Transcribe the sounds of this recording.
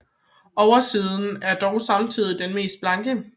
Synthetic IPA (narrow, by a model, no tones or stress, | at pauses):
ʔɒʊɐsið̞ˠn̩æɐd̥ɒʊsɑ̈mt͡sʰið̰ˠid̥enme̝̰ːsd̥̚b̥lɑ̈ŋɡ̥ə